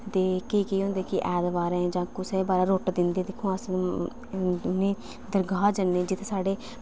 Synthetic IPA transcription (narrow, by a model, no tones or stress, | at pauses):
t̪eːkeiːkeɦõːnd̪eːkɪʔɛːd̪ʋaːɾẽd͡ʒãːkʊseːbaːɾaːɾoːʈd̪ɪnd̪eːd̪eːkʰːõːas | ʊnẽː | d̪əɾɡaːd͡ʒənːeːd͡ʒɪt̪ʰesaːɖeː